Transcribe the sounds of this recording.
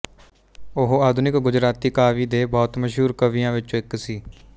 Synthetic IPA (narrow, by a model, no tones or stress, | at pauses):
ʊɦaːd̪ʱʊnɪkɡʊd͡ʒɾaːt̪iːkaːʋiːd̪eːbɔːt̪məʃɦuːɾkəʋijãːʋɪt͡ʃːɪksiː